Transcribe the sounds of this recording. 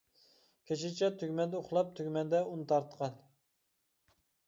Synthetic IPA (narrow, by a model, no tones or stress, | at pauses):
kʲʰet͡ʃʰɪt͡ʃʰɛt̪ʰyɡʲmɛnd̪ɛoχlˠɑp̚t̪ʰøɡʲmɛnd̪ɛunt̪ʰɑɾt̪qʰɑn